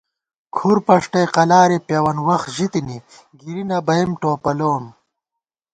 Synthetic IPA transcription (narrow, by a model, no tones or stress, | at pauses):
kʰuɾpɐʂʈɐjqɐlaːɾepeːwɐnwɐxʑit̪ini | ɡiɾinɐbɐimʈoːpɐloːm